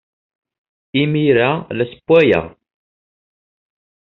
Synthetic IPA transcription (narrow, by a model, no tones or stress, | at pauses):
imiɾælæsə̥pːæjæ̰